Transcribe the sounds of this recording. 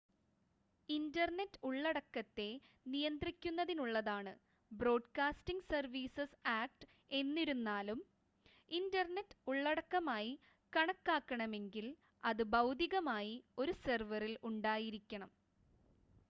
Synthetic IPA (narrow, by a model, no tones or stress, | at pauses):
indɐrnetːuɭːɐɽɐkːɐt̪ːe̞ | nijɐnd̪rikʲːunːɐðinuɭːɐðaːɳɨ | bro̞ːɖkaːstiŋɡsɐrʋiːsɐsaːk̚ʈ | e̞nːiɾunːaːlum | indɐrne̞tːuɭːɐɽɐkːɐmaːji | kɐɳɐkːaːkːɐɳɐme̞ŋɡil | ɐðɨbɐwd̪iɣɐmaːjio̞ɾusɐrʋɐriluɳɖaːjiɾikʲːɐɳɐm